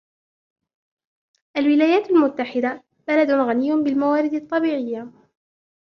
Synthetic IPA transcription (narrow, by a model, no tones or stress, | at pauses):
ʔalwɪlaːjaːt̪almʊt̪ːaħɪd̪a | b̥alad̪ʊnɣanɪjːʊbɪlmawaːɾɪd̪ɑt̪ˤːɑbiːʕɪjːa